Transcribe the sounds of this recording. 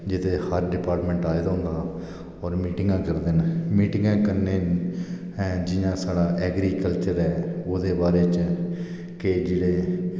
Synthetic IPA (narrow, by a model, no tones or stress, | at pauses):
d͡ʒɪt̪ʰeːhəɾɖɪpaːɾʈmɛ̃ːɳʈaːed̪aːɦʊ̃nd̪aː | ɔːɾmiːʈɪŋɡãːkəɾd̪enmiːʈɪ̃ŋɡãːkəɾneːn | ɛ̃d͡ʒɪjãːsaːɽaːʔɛːɡɾiːkəlt͡ʃəɾɛːoːd̪eːbaːɾeːt͡ʃ | kɪd͡ʒeːɽeː